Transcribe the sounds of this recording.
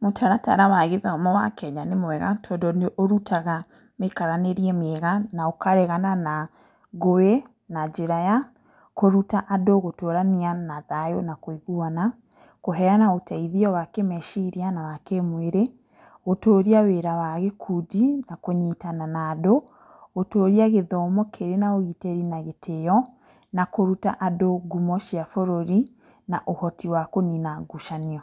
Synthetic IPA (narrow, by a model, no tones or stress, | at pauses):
motʰaɾata̰ɾawaɣeðaɔmɔwa̰kɛɲanemwɛɣatʰɔdɔneʔoɾutʰaɣa | mekaɾaneɾiɛmɛɣanaokaɾɛɣanana | ɣowe | nad͡ʒeɾaja | koɾutaʔadoɣotoɾanianaðajonakoiɣuana | koɦɛanaotaiðiɔwakemɛʃiɾianawakemweɾe | ɣotoːɾiaweɾawaɣekʰudinakoɲitananado | ɣotoːɾiaɣeðɔmɔkʰeɾenaoɣiteɾinaɣetʰeɔ | nakoɾuta̰ʔadoɡumɔʃiafoɾoɾi | naʔohɔtiwakoninaɡuʃaniɔ